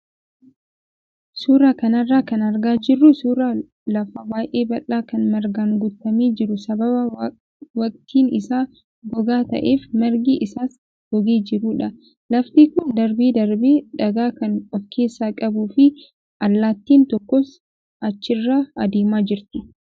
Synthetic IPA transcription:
suːɾaːkɐnɐrːaːkɐnɐɾɡaːd͡ʒɪrːʊsuːɾa | lɐfɐbaːjʔe̞ːbɐlːaːkɐnmɛɾɡaŋɡʊt̪ːɐmeːd͡ʒɪɾʊsɐbɐbɐ | wɐkʼt̪ʰiːnɪsaː | ɡɔɡaːt̪ɐ̰ʔe̞ːfmɛɾɡiːʔɪsaːs | ɡ̥ɔɡeːd͡ʒɪɾuːᶑɐ | lɐft̪iːkʊnd̪ɐɾbeːd̪ɐɾbeːᶑɐɡaːkɐnɔfkʰe̞ːsːaːkʼɐbuːfɪ | ʔɐlːaːt̪ːiːnt̪ɔkːɔs | ɐt͡ʃːɪrːaːɐd̪eːmaːd͡ʒɪɾt̪ɪ

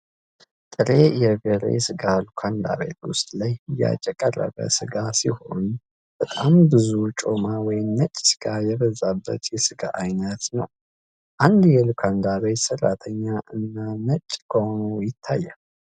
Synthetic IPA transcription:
t̪ʼɨɾejɛveɾḛsɨɡalukʰand̪a̰βḛt̪wʊst̪ʼlajja̰t͡ʃʼɛkʼərːə̰βə̰sɨɡasiho̞n | b̥ət̪ʼambɨzut͡ʃʼo̞mawɔjɪmːət͡ʃʼːsɨ̥ɡ̥ajɛβəzabːə̰t̪jɛsɨɡa̰ʔajnət̪nəw | ʔand̪jɛlukʰand̪aβesərːat̪ʰəɲːaʔɨnːanət͡ʃʼːkʰəhonujɪt̪ʰːajːal

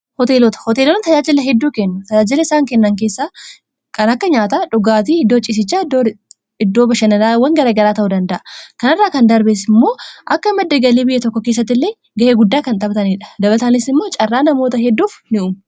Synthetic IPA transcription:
hɔt̪eːlɔt̪ɐ̥hɔt̪eːlɔnt̪ɐd͡ʒaːd͡ʒɪlɐɦɛd̪ːuːkɛnːʊt̪ɐd͡ʒaːd͡ʒɪlɐɪsaːŋkɛnːɐŋk̬e̞ːsːaː | kɐnɐkːɐɲaːt̪ɐᶑʊɡaːt̪iɪd̪ːoːt͡ʃʼɪs̬ɪt͡ʃːaːdo | ɪd̪ːoːbɐʃɐnɐnaːwːɐŋɡɐɾɐɡɐɾaːt̪ɐʔʊd̪ɐnd̪ɐʔɐ̥kɐnɪrːaːkɐnd̪ɐɾbeːsɪmːoːʔɐkːɐɪmɛd̪ːeɡɐliːbɪjːɛt̪ɔkːɔkeːs̬ːɐt̪ːɪlːeː | ɡɐʔeːɡʊd̪ːaːkɐnt̪ʼɐbt̪ɐniːᶑɐ̥d̪ɐbɐlt̪aːnɪsɪmːo̞ːt͡ʃʼɐrːaːnɐmo̞ːt̪ɐɦɛd̪ːuːfnɪʊm

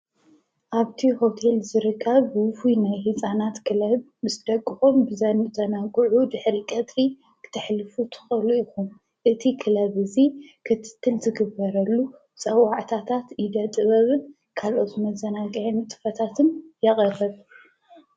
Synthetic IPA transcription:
ʔaβt̪ʰiho̞t̪ʰe̞lzɨɾɨkʰːɐβwʊfunajhɨt͡sʼanat̪kʰɨlɐβ | ɨzɨd̪ɐkʼːɨxombɨzɐnzɐnaɡʕud̪ɨħɾikʼɐt̪ʼi | kʰɨ̥t̪ʰɨħlɨfut̪ʰɨ̥xɐluixum | ʔɨt̪ʰikʰɨlɐβɨzikʰɨt̪ʰɨ̥t̪ʰːɨlzɨɡɨbːɐɾɐlːu | t͡sʼɐwaʕt̪ʰat̪ʰat̪jid̪ɐt̪ʼɨβɐβɨn | kʰalʔo̞t̪mɐzɐnaɡɐʕnt̪ʼɨ̥fɐt̪ʰat̪ʰɨnjɐχʼɐrɐβ

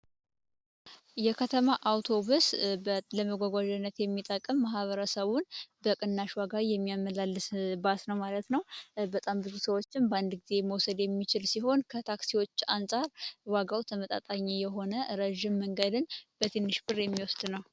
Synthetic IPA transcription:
jɛkʰət̪ʰəmaʔawt̪ʰo̞βusləməɡʷaɡʷaʒɛnːət̪jɛmːit̪ʼəkʼəmːaɦβəɾəsəβunbəkʼɨnːaʃwaɡajɛmːijamːəlalːɨsbasnəwmalət̪nəwbət̪ʼambɨzusəwo̞t͡ʃːɪnband̪ɡize̞məwsəd̪jɛmːit͡ʃɪlsiɦo̞nkʰət̪ʰaksiwo̞t͡ʃːansʼaɾwaɡawt̪ʰəmət̪ʼa̰t̪ʼaɲːijɛɦo̞nəɾəʒɪmːəŋɡəd̪ɨnb̥ət̪ʰenːɨʃbʼɨrjɛmːiwɔsd̪nəw

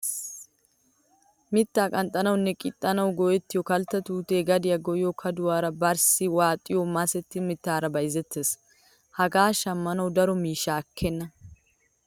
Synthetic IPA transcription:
mɪt̪ːaːkʼɐnt̪ʼɐnɐwnːɛkʼɪt̪ʼːɐnɐwɡɔjɛt̪ːɪjɔkɐlt̪ːɐt̪uːt̪e̞ːɡɐd̪ɪjɐɡɔjokʰɐd̪ʊwaːɾɐbɐɾsɪwaːt̪ʼːɪjɔmɐsɛt̪ːɪmɪt̪ːaːɾɐbɐjzɛt̪ːeːs | hɐɡaːʃɐmːɐnɐwd̪ɐɾɔmiːʃaːkʰːɛnːɐ

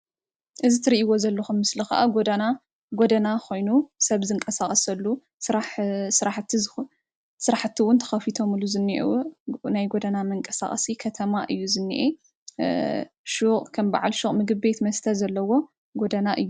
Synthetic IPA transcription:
ʔɨzit̪ʰɨɾiʔiwo̞zɐlːɐxumːɨslɨxa̰ʔaɡod̪ana | ɡod̪ɐnakʰo̞jnusɐβzɨŋkʼɐsaχʼɐsɐlːu | sɾaħsɨɾaħt̪ʰːi | sɨɾaħt̪ʰːiwʊnt̪ʰɐ̥xɐfit̪ʰo̞mɨluzɨnːḭʔnajɡod̪ɐnamɐŋkʼɐsa̰χʼɐsikʰɐt̪ʰɐmaʔɨjːuzɨnːḭʔe | ʃuχʼkʰɐmba̰ʕa̰lʃuχʼmɨɡɨβbe̞t̪mɐst̪ʰɐzɐlːɐwo̞ | ɡod̪anaʔɨjːu

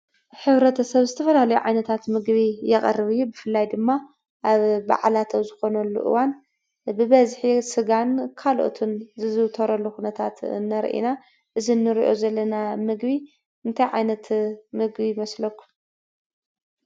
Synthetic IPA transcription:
ħɨβɾɐt̪ʰɐsɐβzɨt̪ʰɐfɐlalɐjuʕa̰jnɐt̪ʰat̪mɨɡβijɛxʼɐ̰rːɨβɨjːubɨfɨlːajd̪ɨmːa | ʔaβba̰ʕlat̪ʰɐwzɨxo̞nɐlːṵʔɨ̰wan | bɨβɐzħisɨɡankʰalʔo̰t̪ʰunzɨzɨwt̪ʰɐɾɐlːuxunɐt̪ʰat̪ɨ̰nːɐɾʔḭna | ʔɨzinːɨɾḭʔo̞zɐlːɐnamɨɡbi | ɨnt̪ʰajʕa̰jnɐt̪mɨɡbimɐslɐkːu̥

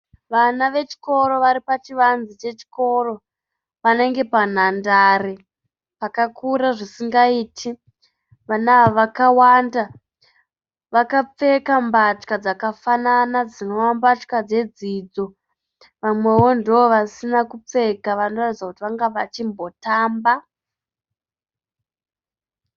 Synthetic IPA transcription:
ʋanaʋe̞t͡ʃi̥ko̞ɾo̞ʋaɾipat͡ʃiʋanzit͡ʃe̞t͡ʃi̥ko̞ro̞ | pane̞ŋɡe̞pan̤andare | pakakuɾaʐisiŋɡaiːtʰi | ʋanaʋaʋakawanda | ʋakap͡fe̞kambat͡ʃkad͡zakafananad͡zino̞ʋambat͡ʃkad͡ze̞d͡zid͡zo̞ | ʋamwe̞wo̞ndiʋoʋasinakup͡fe̞kaʋano̞ratit͡sakutiʋaŋɡaʋat͡ʃimbo̞taːmba

